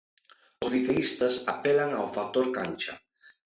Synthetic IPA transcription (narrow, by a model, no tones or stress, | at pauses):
ʊzðit̪eist̪ɐsapɛlaŋawfak̚t̪oɾkanʲt͡ʃa̰